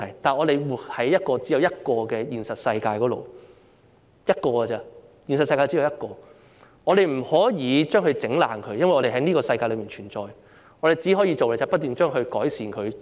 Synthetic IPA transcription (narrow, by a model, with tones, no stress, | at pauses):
ɐ˨˩jt̪aː˨nɔː˨˧ɾe˨jwuː˨˩hɐ˨˥jːɐ˥t̚kɔː˧t͡si˨˥jɐ˨˧wjɐ˥t̚kɔː˧kɛː˧jiː˨nsɐ˨t̚sɐ˧jkaː˧jkɔː˨˥lo̰˨w | jɐ˥t̚kɔː˧ɡɛ˧t͡sɛ˦˧ | jiː˨nsɐ˨tsɐ˧jkaː˧t͡siː˨˥ɐ˨˧wjɐ˥t̚kɔː˧ | ŋɔː˨˧ɾe˨jm̩˨˩hɔː˨˥jiː˨˧t͡ʃœː˥ŋhɵ˧t͡sɪ˨˥ŋla̰ː˨ŋkʰɵ˨˧ɥjɐ˥nwɐ˨˩ŋɔː˨˧e˨˩ɦɐ˨˦˥jniː˥kɔː˧sɐ˧jkaː˧jlɵ˨˧miː˨nt͡ʃʰyː˨˩nt͡ʃɔː˨˩j | ŋɔː˨˧ɾe˨˩jt͡si˨˥hɔː˨˥ji˧t͡so˨wlɛ˨˩t͡sa˨˩pɐ˥t̚t̪yː˨nt͡ʃœː˥ŋɦɵ˧ɥkɔː˨˥jsiː˨˩nkʰɵ˨˧ɥ